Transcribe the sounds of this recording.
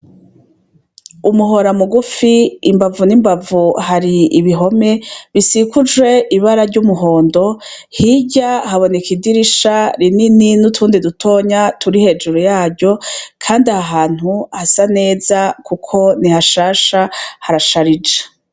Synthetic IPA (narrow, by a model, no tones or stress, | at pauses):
umuɦo̞ɾamuɡufiːmbavunimbavuhaɾiːβiɦo̞me̞βisikud͡ʒwe̞ʔiβaɾaɾɟumuɦo̞ːndo̞ | hiɟahaβo̞nekidiɾiʃaɾinininutʰuːndidutʰo̞ːɲatʰuɾihe̞ːd͡ʒuɾujaːɾɟo̞kʰaːndiahaɦaːn̥huhasane̞ːzakukʰo̞nihaʃaːʃahaɾaʃaɾid͡ʒe̥